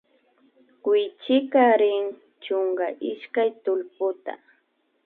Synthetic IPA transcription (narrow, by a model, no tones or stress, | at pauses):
kwɪjt͡ʃɪkaɾɪŋ | t͡ʃʊŋɡaʔɪʃkajt̪ʊlpʊt̪a̰